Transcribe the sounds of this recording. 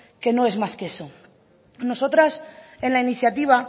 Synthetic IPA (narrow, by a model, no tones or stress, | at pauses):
keno̞e̞zmaskeeso̞ | no̞so̞t̪ɾase̞nlainiθjat̪iβ̞a